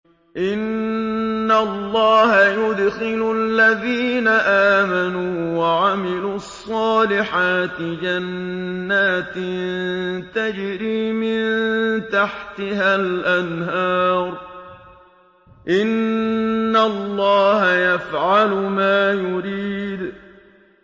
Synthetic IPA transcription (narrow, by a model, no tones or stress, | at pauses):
ʔɪnː | alˤːɑːɦajʊd̪xɪlʊlːaðiːnaʔaːmanuːwaʕamɪluːɑsˤːɑːlɪħaːt̪ɪd͡ʒanːaːt̪ɪnnt̪ad͡ʒɾiːmɪnnt̪aħt̪ɪhalʔanɦɑːɾˤ | ʔɪnː | alːɑːhajafʕalmaːjʊɾiːd̪